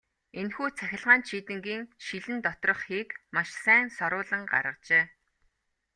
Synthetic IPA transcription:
enxuːt͡sʰæxʲɪ̆ɮʁaːnʃiːt̪ɘ̆ŋɡiːŋʃiɮɘ̆nt̪ɔt̪rɞ̆χxiːkmaʃsæːnsɔɾʊːɮə̆ŋɢa̰ɾə̆qt͡ɕeː

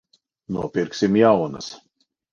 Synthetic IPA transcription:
nuɔpʲiɾksʲimjawna̰s

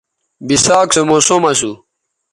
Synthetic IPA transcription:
bisaːksemosomɐsu

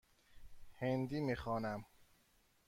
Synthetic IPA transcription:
hend̪iːmixɒːnæm

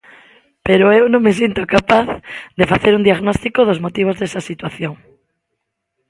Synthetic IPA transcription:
peɾoewnõŋmes̬int̪okapaθd̪efaθeɾund̪iaɣnɔst̪ikoðozmot̪iβ̞ozðesɐsit̪waθjoŋ

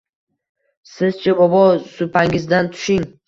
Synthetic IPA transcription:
sɪzt͡ʃʰabɒbɒsʊpʰaŋɪzd̪ant̪ʰʊ̥ʃɪŋ

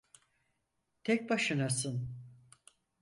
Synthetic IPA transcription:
t̪ʰɛc̚ʲbaʃɯnasɯn

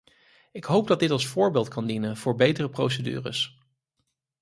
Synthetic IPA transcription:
ɪkɦowp̚dɑdɪtɑlˠsfʊːɹbeːlˠtkɑndinənv̥ʊːɹbejtərəpro̰wsədy̰ːrə̰s

